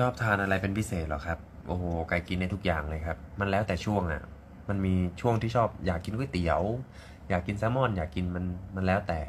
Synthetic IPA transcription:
t͡ɕʰɔː˥˩p̚t̪ʰaː˧nʔa˧ɾa˧jpe˧npʰi˦˥seː˨˩t̪̚lɔ̰˨˩kʰa˦˥p̚ | ʔoː˧hoː˧˩ka˧jki˧nːda˧jt̪ʰu˦˥k̚jaː˨˩ŋlɤː˧jkʰa˦˥p̚ma˧nlɛː˦˥wt̪ɛː˨˩t͡ɕʰu˥˩əŋʔa̰˨˩ | ma˧nmiː˧t͡ɕʰu˥˩əŋt̪iː˥˩t͡ɕʰɔː˥˩p̚jaː˨˩kːi˧nku˥˩˨jt̪i˨˩əw | jaː˨˩kːi˧nsɛː˦˥mɔ˥˩˨njaː˨˩kːi˧nma˧nma˧nlɛː˦˥wt̪ɛː˨˩

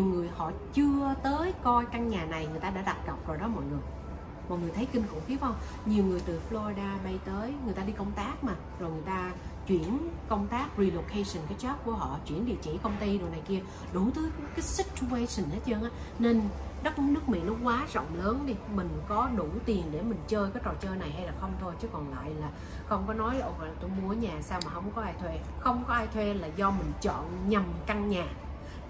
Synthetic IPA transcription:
ɲi˨˩əwŋɨ˨˩əjhɔ̰˧˨t͡ɕɨ˧ət̪əː˨˦jkɔ˧jka˧ŋɲaː˨˩na˨˩jŋɨ˨˩əjt̪aː˧a̰ː˧˥ɗa˨˩t̚kə˨˩wk͡p̚zo˨˩jɗɔ˨˦mɔ̰˧˨jŋɨ˨˩əj | mɔ̰˧˨jŋɨ˨˩əjt̪ʰə˨˦jki˧nkʊ̰˧˥ŋ͡mxi˨˦wva˧wŋ͡m | ɲi˨˩əwŋɨ˨˩əjt̪ɨ˨˩flo˧i˧ɗaː˧ɓə˧jt̪əː˨˦jŋɨ˨˩jt̪aː˧ɗi˧kə˧wŋ͡mt̪aː˦˥k̚maː˨˩zo˨˩jŋɨ˨˩əjt̪aː˧t͡ɕwi˧˩ənkə˧wŋ͡mt̪aː˦˥k̚ɹi˧lo˧kʰe˧sə˨˩nkaː˨˦jt͡ɕə˦˥p̚ku˧˩əɦɔ̰˧˨t͡ɕwi˧˩ənɗḭ˧˨t͡ɕḭ˧˩kə˧wŋ͡mt̪i˧ɗo˨˩na˨˩jki˧ə | ɗu˧˩˦t̪ɨː˨˦jkaː˨˦jsï˦˥k̚t̪ʰu˧ke˧jsi˨˩nhe˦˥t̚t͡ɕəː˧ŋʔaː˨˦˥ | ne˧n | ɗə˦˥k̚n˨˦˥nɨ˦˥ək̚mḭ˧˨nɔ˨˦kwaː˨˦zɔ̰˧˨wŋ͡mləː˨˦nɗi˧mï˨˩ŋ̟kɔ˨˦ɗu˧˩t̪i˨˩ənɗe˧˩mï˨˩ŋ̟t͡ɕəː˧jkaː˨˦jt͡ɕɔ˨˩jt͡ɕəː˧jna˨˩jha˧jlaː˨˩xə˧wŋ͡mt̪ʰo˧jt͡ɕɨ˨˦kɔ˨˩nla̰ː˧˨jlaː˨˩ | xə˧wŋ͡mkɔ˨˦nɔ˨˦jʔo˧˩˨la˨˩t̪o˧jmu˧˩ɲaː˨˩saː˧wmaː˨˩hə˧wŋ͡mkɔ˨˦ʔaː˧jt̪ʰwe˧xə˧wŋ͡mkɔ˨˦ʔaː˧jt̪ʰwe˧laː˨˩zɔ˧mï˨˩ŋ̟t͡ɕɔ̰˧˨nɲa˨˩mka˧ŋɲaː˨˩

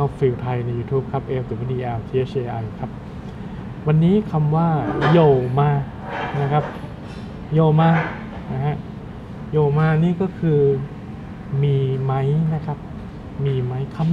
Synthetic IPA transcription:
a˧fi˧˩wt̪ʰa˧jna˧jːuː˧t̪ʰuː˦˥p̚kʰa˦˥p̚ʔeː˧˩w̚t̪ʰɯː˨˩˦ma˦˥˩d̪iː˧˩ʔɛː˧wt̪ʰiː˧ʔe˦˥˩ʔeː˧ʔa˧jkʰa˦˥p̚ | wa˧nːiː˦˥kʰa˧mwaː˥˩jo˨˩wmaː˧ | na˦˥kʰa˦˥p̚ | joː˨˩wmaː˧ | na˦˥ka˦˥ʔ | joː˨˩wmaː˧niː˥˩kɔː˥˩kʰɯː˧ | miː˧ma˦˥jna˦˥kʰa˦˥p̚ | miː˧ma˦˥jkʰa˧m

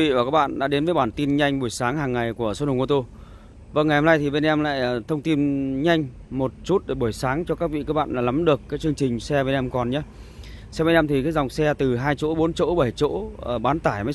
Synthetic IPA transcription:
vḭ˧˨vaː˨˩kaː˦˥k̚ɓa̰ː˧˨ɗa̰ː˧˥ɗe˨˦nvəː˨˦jɓaː˧˩nt̪i˧nɲa˧jŋ̟ɓu˧˩əjsaː˨˦ŋɦaː˨˩ŋːa˨˩jku˧˩əso˧˦˥nhŋʔo˧t̪o˧ | və̰˧˩ŋːa˨˩jho˧mna˧jt̪ʰi˨˩ɓe˧nʔɛ˧mla̰ː˧˨jʔːt̪ʰə˧wŋ͡mt̪i˧nɲa˧jŋ̟mo˨˩t̚t͡ɕu˦˥t̚ɗe˧˩ɓu˧˩əjsaː˨˦ŋt͡ɕɔ˧kaː˦˥k̚vḭ˧˨kəː˧˦˥k̚ɓa̰ː˧˨nlaː˨˩la˨˦mɗɨ˨˩əkːaː˨˦jt͡ɕɨ˧əŋt͡ɕï˨˩ŋ̟sɛ˧ɓe˧nʔɛ˧mkɔ˨˩nɲaː˧˦ | sɛ˧ɓe˧˦nʔɛ˧mt̪ʰi˨˩kaː˨˦jza˨˩wŋ͡msɛ˧t̪ɨ˨˩ɦaː˧jt͡ɕo̰˧˥ɓo˨˦nt͡ɕo̰˧˥ɓa˧˩jt͡ɕo̰˧˥˨ɓaː˨˦nt̪aː˧˩jmə˨˦

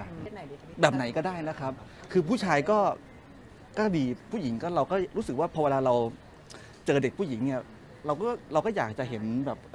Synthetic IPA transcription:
bɛː˨˩p̚na˨˩˦jkɔː˥˩daː˥˩jna˦˥kʰɾa˦˥p̚kʰɯː˧pʰuː˥˩t͡ɕʰaː˧jkɔː˥˩ | kɔː˥˩diː˧pʰuː˥˩ji˩˦ŋkɔː˥˩ɾa˧wkɔː˥˩ɾuː˦˥sɯ˨˩k̚waː˥˩pʰɔ˧weː˧laː˧ɾa˧w | t͡ɕɤː˧de˨˩k̚ʰu˥˩ji˩˦ŋni˥˩ɐ | ɾa˧wkɔː˥˩ɾa˧wkɔː˥˩jaː˨˩k̚t͡ɕa˨˩ɦe˩˦nbɛː˨˩p̚

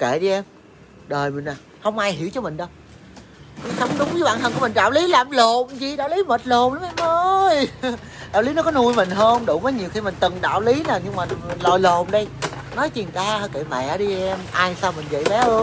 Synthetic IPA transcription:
kḛ˧˨ɗi˧ʔɛ˧m | ɗəː˨˩jmï˨˩ŋ̟aː˨˩ | hə˧wŋ͡mʔaː˧jɦi˧˩əwt͡ɕɔ˧mï˨˩ŋ̟ɗə˨˧˦ | ki˧˩xə˨˧˦wŋ͡mɗʊ˨˦ŋ͡mzɨ˨˦ɓaː˧˨nt̪ʰə˨˩ŋku˧˩əmi̟˨˩ɗaː˧˨wli˨˦laː˨˩mlo˨˩mzi˨˩ɗa̰ː˧˨wli˨˦məː˨˩t̚lo˨˩mla˨˦mʔɛ˧mʔəː˧jɗa̰ː˧˨wli˨˦nɔ˨˦kɔ˨˦nu˧jmï˨˩ŋ̟ɦəː˧nɗʊ̰˧˨məː˨˦jɲi˨˩əwxi˧mï˨˩ŋ̟t̪ɨ˨˩ŋɗa̰ː˧˨wli˨˦naː˨˩ɲɨ˧ŋmaː˨˩˨lɔ̰˧˨˩jlo˨˩mɗə˧j | nɔ˨˦jt͡ɕi˨˩nk̪aː˧həː˧˩kḛ˧˨mɛ̰˧˨˧ɗi˧ʔɛ˧mʔaː˧jsaː˧wmï˨˩ŋ̟və̰˧˨jɓɛ˨˦ʔəː˧

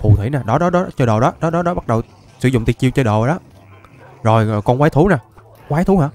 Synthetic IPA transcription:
fṵ˨˩t̪ʰwḭ˧˩˦naː˨˩ɗɔ˨˦ɗɔ˨˦ɗɔ˨˦t͡ɕɔ˧ɗo˨˩ɗɔ˨˦ɗɔ˨˦ɗɔ˨˦ɗɔ˨˦ɓa˦˥t̚ɗə˨˩w | sɨ̰˨˧˩zʊ̰˧˨ŋ͡mt̪i˨˩t͡ɕi˧wt͡ɕɔ˧ɗo˨˩ɗɔ˨˦ | zo˨˩jkɔ˧nkwaː˨˦jt̪ʰu˨˦naː˨˩ | kwaː˨˦jt̪ʰu˨˦ɦaː˧˥˦

